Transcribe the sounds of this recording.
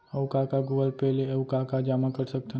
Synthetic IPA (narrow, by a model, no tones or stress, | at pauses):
ɐwkakaɡuːɡəlpɛɦleɐʋkakad͡ʒaːmãkɐɾsɐk̚t̪ː